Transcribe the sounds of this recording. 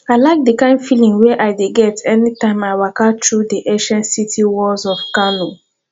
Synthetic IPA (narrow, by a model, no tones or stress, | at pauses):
aɪlaɪk̚dikãɪ̃ndfilĩŋweʔaɪdeɡɛtʰɛnitãɪ̃maɪwakatʰɹudiʔeʃɛ̃nsitʰiwɔlzɔfkanu